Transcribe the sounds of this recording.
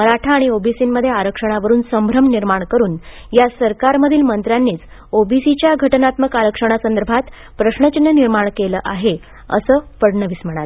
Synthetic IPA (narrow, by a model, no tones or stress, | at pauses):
məɾaʈʰaːɽ̃iobisiːmːəd̪ʱjeaɾəkʂəɽ̃aʋəɾuːnsəmbʱɾəmniɾmaɳkəɾuːn | jasəɾkaɾməd̪ʱiːlmənt̪ɾjanːiːt͡s | obisit͡ɕjaɡʱəʈnat̪məkaɾəkʂəɽ̃asənd̪əɾbʱat̪ | pɾəɕɳət͡ɕinjəniɾmaɳkeləːʔaɦe | ə̰səːpəɽɳəʋiːsm̤əɽ̃al